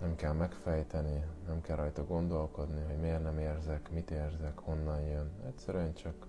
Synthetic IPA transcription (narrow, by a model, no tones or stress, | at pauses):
nɛmkɛlmɛkfɛjt̪ɛninɛmkɛlrʔɒjt̪ɒɡo̞nd̪o̞lko̞d̪niɦoɟmeːrnɛmeːrzɛkmit̪eːrzɛkho̞nːɒnjønɛcsɛɾyɛnt͡ʃɒk